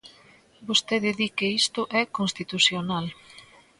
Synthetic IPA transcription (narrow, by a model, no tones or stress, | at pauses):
bost̪eðɪðikeist̪ʊʔɛkonst̪it̪usjonal